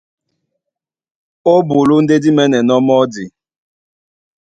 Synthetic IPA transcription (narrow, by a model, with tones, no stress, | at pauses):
o˦bu˨lu˦n̩˦de˦di˦mɛ˦nɛ˨nɔ˦mɔ˦di˨